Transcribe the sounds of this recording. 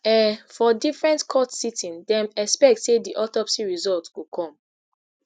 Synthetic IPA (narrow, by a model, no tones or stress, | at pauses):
ɛfɔdifɹɛ̃ntkʰɔtsitʰĩndɛ̃mɛkspɛk̚tsediʔɔtɔpsiɹizɔltwukʰɔ̃m